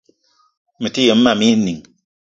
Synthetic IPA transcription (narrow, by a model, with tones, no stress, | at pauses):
mɨ˨ti˦je˨m̩˦ma˨mi˦ni˨ŋ